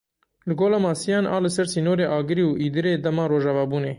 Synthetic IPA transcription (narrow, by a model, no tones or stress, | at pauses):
lɨɡoːlaːmɑːsijɑːnʔɑ̰ːlɨsɛɾsiːnoːɾeːʔɑːɡɨɾiːwʔiːd̪ɨɾeːd̪ɛmɑːɾoːʒɑvɑːbuːneː